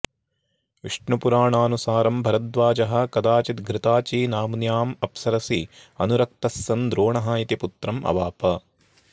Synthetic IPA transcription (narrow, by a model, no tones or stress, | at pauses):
ʋiʂɳupuɾaːɳaːnusaːɾɐmbʱɐɾɐd̪ʋaːd͡ʒɐɦɐ̆kɐd̪aːt͡ʃit̪ɡɾɪt̪aːt͡ʃiːnaːmnjaːmɐpsɐɾɐsiɐnuɾɐk̚t̪ɐsːɐnd̪ɾoːɳɐɦaːjit̪iput̪ɾɐmʔɐ̰ʋaːpɐ